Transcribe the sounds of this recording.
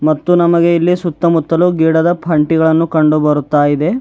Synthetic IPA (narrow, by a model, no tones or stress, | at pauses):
mɐt̪ːunɐmɐɡe̞ilːisut̪ːɐmut̪ːɐluɡiːɽɐd̪ɐpʰɐɳʈiɡɐɭɐnːukɐɳɖubɐɾut̪ːaːjid̪e̞